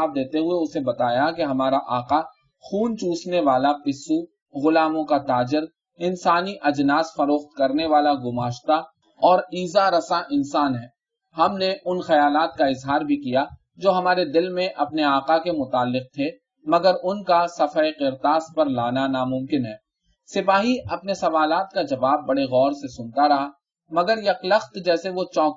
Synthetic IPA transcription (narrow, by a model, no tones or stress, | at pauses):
aːb̚d̪eːt̪eɦʊeʊsebɐt̪aːjakeɦɐmaːɾaʔaːqa | xuːnt͡ʃuːsneʋaːlapɪsu | ɣʊlaːmõkat̪aːd͡ʒɪɾ | ɪnsaːniʔɐd͡ʒnaːsfɐɾoːxt̪̚kɐɾneʋaːlaɡʊmaːʃt̪a | ɔːɾiːzaɾɐsaʔɪnsaːnɦɛː | hɐmneʔʊnxɐjaːlaːt̪̚kaɪzɦaːɾbʱikija | d͡ʒoːɦɐmaːɾed̪ɪlmẽʔɐpneaːqakemʊt̪aːlːɪq̚t̪ʰe | mɐɡəɾʊnkasɐfaeqɪɾt̪aːspɐɾlaːnanamʊ̃mkɪnɦɛː | sɪpaːɦiɐpnesɐʋaːlaːt̪̚kad͡ʒɐʋaːbːɐɽeɣɔːɾsesʊ̃nt̪aɾɐɦa | mɐɡəɾjɐklɐxt̪d͡ʒɛːseʋot͡ʃɔ̃ːk